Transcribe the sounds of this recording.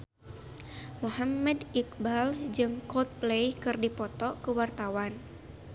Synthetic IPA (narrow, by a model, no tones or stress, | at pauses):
muɦamːɛdik̚bald͡ʒɨŋkɔt̪̚plejkɨrdipɔt̪ɔkəwart̪awan